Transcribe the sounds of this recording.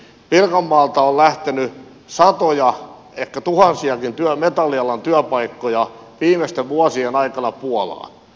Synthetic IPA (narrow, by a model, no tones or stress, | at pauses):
ʋirkɑmːɑːlt̪ɑollæht̪eny | sɑt̪ojɑ | ekːæt̪uhɑnsiɑkint̪yæmet̪ɑlːˑiɑlːɑnt̪yœpɑikːojɑ | ʋiːmest̪eʋʋuosienɑikɑnɑpuolɑ̰ːn